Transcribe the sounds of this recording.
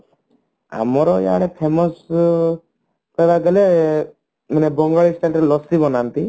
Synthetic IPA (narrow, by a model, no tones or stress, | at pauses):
a̰mɔɾɔja̰ɽɛpʰemɔs | pejbaɡəle | mənɛbɔŋɡɔɭisʈ̪anɾɛlɔst̪ibɔnant̪i